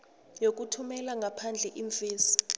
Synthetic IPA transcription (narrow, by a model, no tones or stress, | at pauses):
jok̬utʰumɛlaŋɡʱapʰand͡ɮʱɛʔiɱfeːsi̥